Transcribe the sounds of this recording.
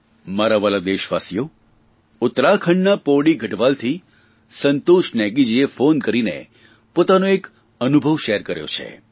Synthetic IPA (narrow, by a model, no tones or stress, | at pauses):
maɾaʋalad̪eʃʋasijo | ʊt̪ɾakʰəɳɖnapoɽiɡʱəʈʋalt̪ʰi | sənt̪oʃnɛɡid͡ʒiefonkəɾinḛ | pot̪anoek | ənubʱəʋʃɛəɾkəɾjo̰t͡ʃʰḛ